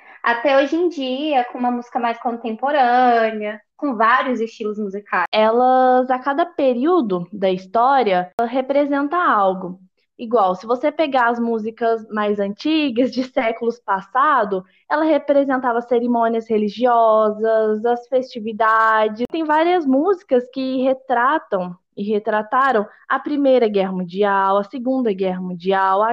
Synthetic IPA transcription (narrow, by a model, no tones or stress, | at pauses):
at̪ɛoʒẽj̃d͡ʒiɐkõũmɐmuzikɐmajskõnt̪ẽmpoɾɐ̃niɐkõvaɾiʊzɪst͡ʃilʊzmuzikʰaɛlɐzakad̪ɐpeɾiwd̪ʊd̪ɐist̪ɔɾiɐɦepɾezẽnt̪ɐ̃awɡʊ | iɡwawsɪvosepeɡaɐzmuzikɐzmajzɐ̃nt͡ʃiɡɐzd͡ʒɪsɛkʊlʊspasad̪ʊ | ɛlɐɦepɾezẽnt̪avɐseɾimõniɐsheliʒiɔzɐzɐsfest͡ʃivid̪ad͡ʒɪt̪ẽj̃vaɾiɐzmuzikɐskɪɦet̪ɾat̪ɐ̃w̃ | ɪɦet̪ɾat̪aɾɐ̃w̃ | ɐpɾimejɾɐɡɛɦɐmũd͡ʒiawɐsɪɡũnd̪ɐɡɛɦɐmũd͡ʒiawɐ